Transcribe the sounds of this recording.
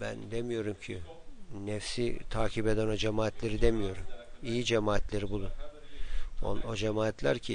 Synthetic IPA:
bæ̰nd̪emijo̞ɾumcʰiː | ɛfsit̪ʰaːcʰibe̞d̪æno̞d͡ʒemaːt̪ʰlʲe̞ɾid̪e̞mijo̞ɾumijid͡ʒemaːt̪lʲeɾibulˠun | o̰no̞d͡ʒemaːt̪ʰlʲæ̰ɾcʰi

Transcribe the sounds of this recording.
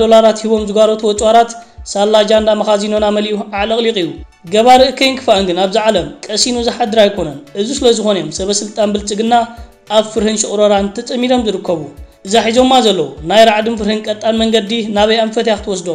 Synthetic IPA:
d̪o̞laɾat̪hiβo̞mzɨɡaɾot̪ʰuwɔt͡sʼwaɾat̪salːad͡ʒand̪amɐxazinonamɐlʔuaʕlɐkʼlikʼiju | ɡɐβaɾɨʔɨkʰɐjnkʰɨ̥faɐnɡɨnaβziʕalɐmkʼɐsinuzaħad̪ɨɾajkʰo̞nɐnʔɨzusɨlɐzɨxo̞njo̞msɐβɐsɨlt̪ʼanbɨlt͡sʼɨɡɨnːa | ʔːβfɨɾhɨnʃɨχʼɾoɾant̪ʰɐt͡sʼɐmːid̪o̞mzɨɾɨkʰːɐβuʔɨzaħizo̞mːazɐlːɐwunajɾaʕd̪ɨnfɨɾhɨnkʼɐt̪ʼːanmɐŋɡɐd̪inaβɐjamfɐt̪jakɨt̪ʰɨwɔsd̪o

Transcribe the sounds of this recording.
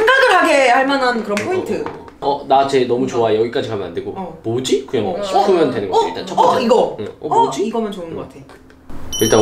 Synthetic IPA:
ŋɡadɯɭaɡe̞aɭmanankɯɾʌnppʰointʰɯ | ʌnat͡ɕe̞nʌmut͡ɕoajʌɡik͈ad͡ʑikamjʌnande̞ɡomod͡ʑikuɲʌŋʌɕʰik͈umjʌndwenɯnɡʌ̰iɭt͈ant͡ɕʰʌp͈iɡʌeʌd͡ʑiiɡʌmjʌnt͡ɕoɯnɡɡk͈atʰejo | iɭt͈a

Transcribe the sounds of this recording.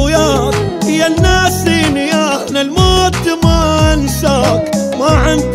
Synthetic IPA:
jaː | hɪjːanːaːsiːnɪjaːʔnalmaːt̪ːmansaːk | maʕɪnd̪

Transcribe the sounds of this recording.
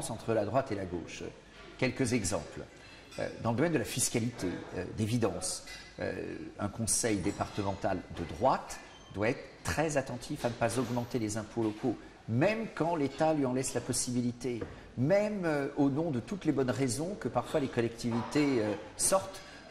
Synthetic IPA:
sɑ̃t̪χəlad̪ʁwat̪elaɡo̰ʃ | kʲɛlkəzɛɡzɑ̰̃pl | ø̰d̪ɑ̃ləd̪ɔmɛnd̪əlafiskalit̪ḛø̰d̪evid̪ɑ̃s | ø̰ɛ̰̃kɔ̃sɛjd̪epaʁt̪əmɑ̃t̪ald̪əd̪ʁwat̪ | d̪waɛt̪χət̪ːχɛzat̪ɑ̃t̪ʰifanəpazɔɡmɑ̃t̪elezɛ̃pʰolɔkʰo | mɛmkɑ̃let̪alɥiɑ̃lɛslapɔsibilit̪e | mɛmøonɔ̃d̪ət̪ut̪lebɔnʁezɔ̃kəpaʁfwalekɔlɛkt̪ivit̪eøsɔʁt̪

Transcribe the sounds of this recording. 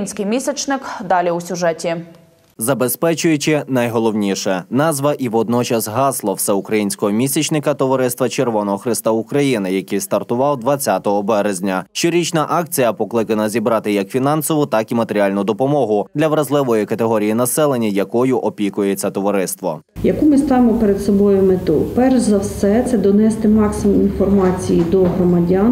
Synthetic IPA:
nʲsʲkɪjmʲisʲɛt͡ʃnɪkd̪ɑlʲiusʲʊʒɛtʲi | zɐbespɛt͡ʃʊjʊt͡ʃɪnɐjɦɔlˠɔwnʲiʃɛnɑzʋɐʔiʋɔd̪nɔt͡ʃɐsɦɑslˠɔwsɛukɾɐjinʲsʲkɔɦɔmʲisʲit͡ʃnɪkɐt̪ɔʋɐɾɪst̪ʋɐt͡ʃerʋɔnɔɦɔxɾɪst̪ɐukɾɐjinɪjɐkijst̪ɐrt̪ʊʋɑwd̪ʋɐt͡sʲːat̪ɔɦɔbɛɾezʲnʲɐʃt͡ʃɔɾʲit͡ʃnɐʔɑk̚t͡sʲijɐpɔklˠɪkɐnɐzʲibɾɑt̪ɪjɐkfʲinɑnsɔʋʊt̪ɑkimɐt̪eɾʲialʲnʊd̪ɔpɔmɔɦʊd̪lʲɐʋɾɐzlˠɪʋɔjikɐt̪eɦɔɾʲijinɐsɛlˠenʲːijɐkɔjʊʔɔpʲikʊjet͡sʲːɐt̪ɔʋɐɾɪst̪ʋɔ̰ | jɐkumɪst̪ɑʋɪmɔpeɾed̪sɔbɔjʊmet̪upɛrʒzɐwsɛt̪sɛd̪ɔnɛst̪ɪmɑksɪmʊminfɔrmɑt͡sʲijid̪ɔɦɾɔmɐdʲɑn

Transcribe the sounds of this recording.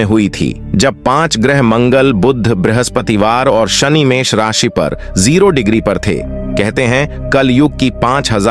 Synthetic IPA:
ẽɦʊit̪ʰḭː | d͡ʒɐb̚pãːt͡ʃɡɾɛɦmɐ̃ŋɡəlbʊd̪ʱːbɾɪɦəspət̪iʋaːɾɔːɾʃɐnimeːʃɾaːʃipɐ̰ɾ | ziːɾoɖɪɡɾipɐɾt̪ʰḛː | kɛɦt̪eɦɛ̃ | kɐljʊɡ̚kipãːt͡ʃɦɐza

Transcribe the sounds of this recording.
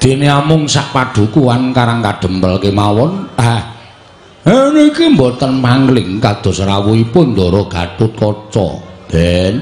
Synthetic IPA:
d̪̥e̤neamʊŋsaʔpaɖ̪̥ṳkuwankaɾaŋkaɖ̥ə̤mpəlkemawɔna | ɛnoikimbɔt̪ənpaŋɡlɪŋkad̪̥ɔ̤sɾawuipʊnd̪ɔɾɔɡ̥a̤t̪ʊt̪̚kɔt͡ʃɔ̰d̪̥ɛn

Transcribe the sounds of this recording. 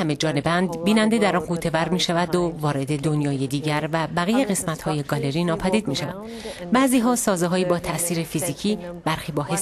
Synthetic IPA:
æme̞d͡ʒɒːne̞bænd̪biːnænd̪e̞d̪æɾɒːnɡuːt̪ʰe̞væɾmiːʃævæd̪ovɒːɾe̞d̪e̞d̪o̞njɒːjed̪iːɟæɾvæbæɣijeɣe̞smæt̪ʰhɒːjeɡɒːle̞ɾiːnɒːpʰæd̪iːd̪̚miːʃævæ̰nd̪̥ | bæʔziːɦɒːsɒːzeɦɒːjiːbɒːt̪ʰæʔsiːɾefiziːcʰiːbæɾxiːbɒːhes

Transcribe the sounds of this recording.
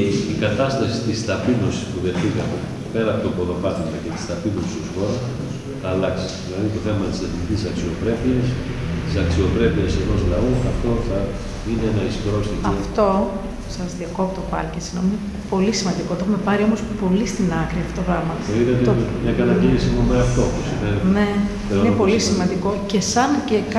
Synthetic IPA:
eikɐt̪ɐst̪ɐsit̪ist̪ɐpino̞si̥spuðeɾθikɐme | pe̞ɾɐpot̪okoðo̞pɐt̪imɐcet̪i̥st̪ɐpinosi̥st̪usxo̞ɾɐs | θɐːlɐksi̥ðilɐðit̪o̞θe̞mɐt̪iseθmicisɐksio̞pɾe̞piɐs | t̪isɐksio̞pɾe̞piɐseno̞zlɐoɐft̪o̞θɐ | ineenɐistɾost̪itɐft̪o̞ | sɐzðiɐkopt̪opɐ̰ɾcesinomine | po̞lisimɐnd̪ikot̪oexumepɐɾio̞mo̞spo̞list̪inɐkɾiɐft̪ot̪oɣɾɐɣmɐoiðet̪mɲɐkɐt̪ɐɟenisimumeɐft̪opusimenne̞ | einepo̞lisimɐnd̪iko̞ce̞sɐncek

